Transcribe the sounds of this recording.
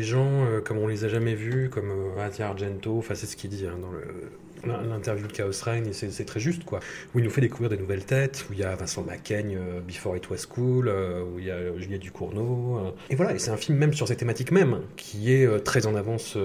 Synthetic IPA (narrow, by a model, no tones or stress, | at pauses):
eʒɑ̃økɔmɔ̃lezaʒamɛvykɔmøazjaaʁʒɛ̃nt̪oɑ̃fɛ̃sɛsə̥kʲild̪iɛ̃d̪ɑ̃lə̰ | lɛ̃lɛ̃t̪ɛʁvjud̪əkaɔsʁajnesɛsɛt̪χɛʒyst̪kwauilnufɛd̪ekuvʁiʁd̪enuvɛlt̪ɛt̪uljavɛ̃sɑ̃makʲɛɲøbifɔʁit̪ʰwɛskʰuløuijaʒyljɛd̪ykʰuʁnoøevwalaesɛt̪ɛ̃filmːɛmsyʁsɛtt̪ːemat̪ikmɛmkʲʰiɛøt̪χɛzɑ̃navɑ̃sø